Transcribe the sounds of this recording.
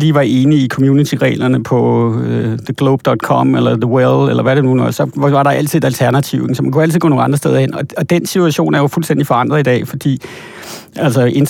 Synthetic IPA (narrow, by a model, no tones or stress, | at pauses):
liːʋɑ̈e̝ːniːkʰɒ̽mjunit͡sʰiʁɛ̰ːlɐnəpʰɒ̽øðəɡ̥loʊb̥d̥ɒd̥kʰɒ̽melɐðəwelelɐʋæɾenunsɒ̽ʋɑ̈ɾɑ̈æl̰t͡sʰiðˠed̥ælt͡sʰæɐnæt͡sʰiʊeŋsɒ̽mænkʰuæl̰t͡sið̩ˠɡ̥̰nonˠɑ̈ndʁɐsd̥eðˠɐhenɒ̽ɒ̽d̥ensit͡sʰuæɕo̝̰ːnæɐjo̝fulsd̥en̰d̥ifɒ̽ɑ̈n̰d̥ʁɐðˠid̥ɛ̰ːfɒ̽d̥ḭː | ælsəʔe̝n